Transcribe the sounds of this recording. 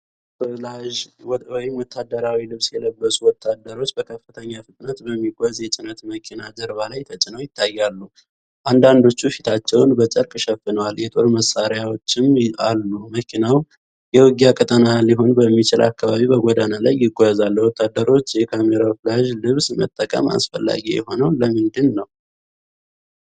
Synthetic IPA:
flaʒwɔjɪmwɔt̪ʰːad̪əɾawilɨβsjɛləbːəsuwɔt̪ʰːad̪ːəɾo̞t͡ʃːbəkʰəfːɨt̪ʰəɲːafɨt̪ʼnət̪bəmːiɡʷazjɛt͡ʃʼɪnət̪məkʰinazəɾβalajt̪ʰət͡ʃʼɪnəwjɪt̪ʰːajːalːu | ʔand̪and̪o̞t͡ʃːufit̪ʰat͡ʃːɛwnbət͡ʃʼəɾkʼʃɛfːɨnəwaljɛt̪ʼo̞ɾməsaɾjawo̞t͡ʃːɪma̰lːuməkʰinaw | jɛwɨɡijakʼət̪ʼənaliɦo̞nbəmːit͡ʃɪlʔa̰kːaβaβiβbəɡʷod̪analajːɪɡʷːojzalːwɔt̪ʰːad̪ːəɾo̞t͡ʃːjɛkʰameɾaflaʒlɨβsmə̰t̪ʼːəkʼə̰ma̰sfə̰lːa̰ɡijɛ̰ho̞nəwləmɨnd̪ɨnːəw

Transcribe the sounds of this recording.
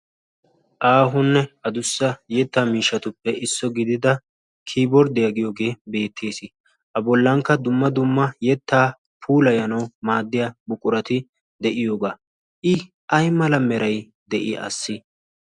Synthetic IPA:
ʔaːɦʊnːɛɐd̪ʊsːɐjɛt̪ːaːmiːʃːɐt̪ʊpːɛʔɪsːɔɡɪd̪ɪd̪ɐ | kʰiːbɔɾd̪ɛjɐɡɪjoːɡe̞ːbe̞ːt̪ʰːeːsɪ | ʔɐbɔlːɐŋkːɐd̪ʊmːɐd̪ʊmːɐjɛt̪ːaː | pʰuːlɐjɐnɐwmaːd̪ːɪjabʊkʼʊɾɐt̪ɪ | d̪ɛʔɪjo̞ːɡaː | ʔɪ | ʔɐjmɐlɐmɛɾɐj | d̪ɛʔɪ̰ɐ̰sːɪ

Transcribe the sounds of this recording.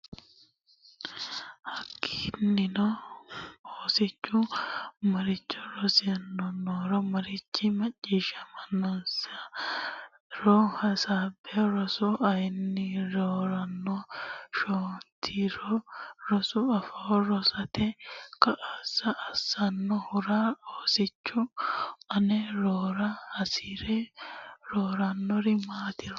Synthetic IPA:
hɐkːi̥nːɪnɔ | oːsɪt͡ʃːʊmɐɾɪt͡ʃːɔɾɔsɪjɐnːɔnoːɾɔmɐɾɪt͡ʃːɪmɐt͡ʃʼːiːʃɐmɐnːɔsɐ | ɾɔhɐsaːbɛɾɔsɔʔɐjnːɪɾoːɾɐnːɔʃoːnt̪ʰiɾɔɾɔsʊɐfɐɔɾɔsɐt̪ɛkɐʔasɐʔːsɐnːɔhʊɾaːoːsɪt͡ʃːʊɐnɛɾoːɾɐhɐsiːɾɛ | ɾoːɾanːɔɾɪmaːt̪ɪɾɔ

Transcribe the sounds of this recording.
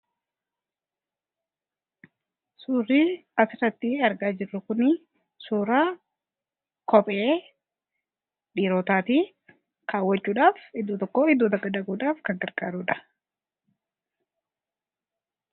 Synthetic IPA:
suːrːiːɐsɪrɐt̪ːiɐɾɡaːd͡ʒɪrːʊkʊnɪ | suːɾaː | kɔpʼeː | ᶑiːɾoːt̪aːt̪iː | kʰaːwːɐt͡ʃːuːᶑaːfɪd̪ːuːt̪ɔkːoːɪd̪ːuːt̪ɐɡɐd̪ɐɡuːᶑaːfkɐŋkɐɾkʼaːɾuːᶑɐ̥

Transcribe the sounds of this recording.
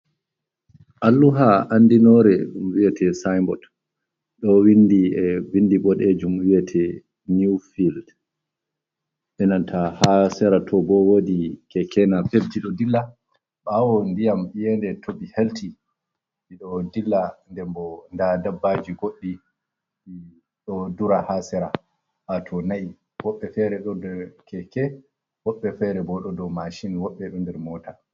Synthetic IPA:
ʔalːuɦaʔandinɔɾɛɗumwiɛtʰɛsajmbɔ̰t | ɗɔwindiɛwindiɓɔɗed͡ʒumwiɛtʰɛ | nifild | ɓɛnantʰahasɛɾatʰɔbɔwodikɛkʰɛnapeb̚diɗɔdilːa | ɓawɔndijamijɛndɛtʰobiheltʰi | ɓiɗɔdilːandɛmbɔndadabːad͡ʒiɡoɗːi | i | ɗɔduɾahasɛɾa | hatʰɔnaʔi | wɔɓːɛfɛɾɛɗɔndɛɾkʰɛkɛ | wɔɓːɛfɛɾɛbɔɗɔdɔmaʃinwɔɓːɛɗɔndɛɾmɔːtʰa

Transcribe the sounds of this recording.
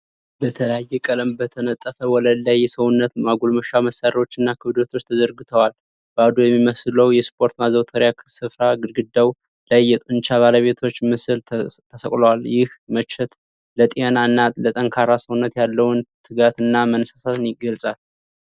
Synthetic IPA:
bət̪ʰələjajːɛkʼələmbət̪ʰənət̪ʼːəfəwɔləlːajːɛsəwunːət̪maɡulməʃaməsaɾəo̞t͡ʃːɨnːakʰɨβd̪ot̪ʰo̞t͡ʃːt̪ʰəzəɾɡɨt̪ʰəwal | b̥əad̪ujɛmːiməsləwjɛspʰʼo̞ɾt̪mazəwt̪ʰəɾjakʰsɨfɾaɡɨlɡɨd̪ːaw | lajːɛt̪ʼunt͡ʃaβaləβe̞t̪ʰo̞t͡ʃːmɨsɨlt̪ʰːəsəkʼləwaljɪhmət͡ʃːɛt̪ | lət̪ʼianaɨnːalət̪ʼəŋkʰaɾasəwunːət̪jalːəwnt̪ʰɨɡat̪ɨnːamənsasat̪ɨnjɪɡəlsʼal

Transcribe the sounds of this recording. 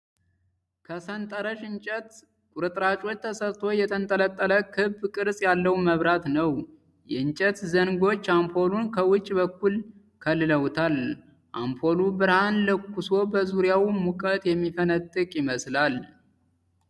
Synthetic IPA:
kʰəsənt̪ʼəɾəʃɨnt͡ʃʼət̪ | kʼuɾɨt̪ʼɾat͡ʃʼo̞t͡ʃːt̪ʰəsəɾt̪ʰo̞jɛt̪ʰənt̪ʼələt̪ʼːələkʰɨbkʼɨɾsʼjalːəwməβɾat̪nəw | jɛɨnt͡ʃʼət̪zəŋɡo̞t͡ʃːampʰo̞lunkʰəwʊt͡ʃʼːbəkːul | kʰəlːɨləwt̪ʰal | ʔa̰mpʰo̞lubɨɾhanlɨkːuso̞bəzuɾjawmukʼət̪jɛmːifənət̪ʼːɨkʼjɪməslal

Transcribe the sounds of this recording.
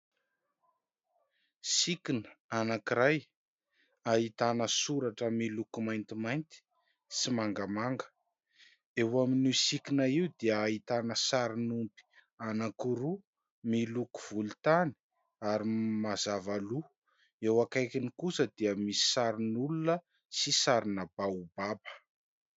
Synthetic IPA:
sikinəanakiɾaj | aɦit̪anəsuɾaʈ͡ʂəmilukumajnt̪imajnt̪i̥ | simaŋɡamaŋɡə̥ | ewaminisikinaiud̪iəːit̪anəsaɾinumpi̥ | anakuɾu | miluku̥v̥ult̪ani̥ | aɾimazavalu | ewakajkinikusəd̪̥iəmisi̥saɾinulunə | sisaɾinəbaubabə̥

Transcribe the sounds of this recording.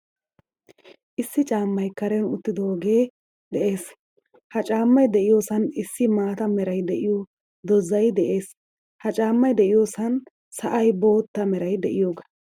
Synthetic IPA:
ʔɪsːɪt͡ʃʼaːmːɐjkɐɾɛnʊt̪ːɪd̪oːɡe̞ː | d̪ɛʔeːs | hɐt͡ʃʼaːmːɐjd̪ɛʔɪjo̞ːsɐnɪsːɪmaːt̪ɐmɛɾɐjd̪ɛʔɪjo | d̪ɔzɐjd̪ɛʔe̞ːs | hɐt͡ʃʼaːmːɐjd̪ɛʔɪjo̞ːsɐn | sɐʔɐjbo̞ːt̪ːɐmɛɾɐjd̪ɛʔɪjo̞ːɡɐ̥

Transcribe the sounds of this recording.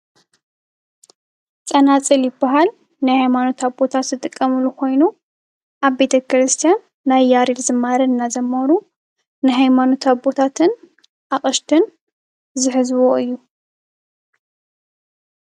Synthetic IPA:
t͡sʼɐnat͡sʼɨljɪbːaɦal | najhajmano̞t̪abo̞t̪ʰat̪zɨt̪ʼɨkʼːɐmɨlukʰo̞jnu | ʔaβbe̞t̪ʰɐkɾɨst̪ʰijanː | ajːaɾilzɨmːaɾɐnːazɐmːɐɾu | najɦajmano̞t̪aβot̪ʰat̪ʰɨn | ʔaχʼɐʃt̪ʰɨn | zɨħɨzwoɨjːu

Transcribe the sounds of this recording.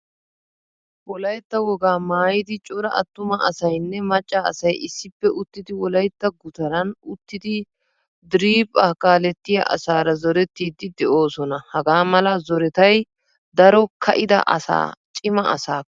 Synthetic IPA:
wɔlɐjt̪ːɐwɔɡaːmaːjɪd̪ɪt͡ʃʼɔɾɐʔɐt̪ːʊmɐɐsɐjnːɛmɐt͡ʃʼːɐ̰ːsɐjɪsːɪpːɛʔʊt̪ːɪd̪ɪwɔlɐjt̪ːɐɡʊt̪ɐɾɐnʊt̪ːɪd̪ɪ | d̪ɪɾiːpʼːaːkaːlɛt̪ːɪjɐ̰ʔɐ̰saːɾɐzɔɾɛt̪ːiːd̪ɪd̪ɛʔo̞ːsɔnɐhɐɡaːmɐlɐzɔɾɛt̪ɐj | d̪ɐɾɔkʰɐʔɪd̪ɐ̰ʔɐ̰sa̰ːt͡ʃʼɪmɐɐ̰saː

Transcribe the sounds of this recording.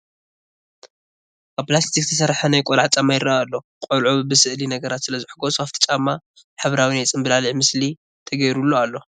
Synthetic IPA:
ʔaβpʰlast̪ʰik̚t̪ʰɨsɐɾħanajkʼolʕat͡ʃʼamajɪɾaʔalːo̞ | kʼolʕobɨsɨʔlinɐɡɐɾat̪sɨlɐzɨħɨɡosuaft̪ʰi̥t͡ʃʼamːa | ħaβɾawinajt͡sʼɨmbɨlalɨʕmɨsli | t̪ʰɐɡɐjɾulːoalːo̞

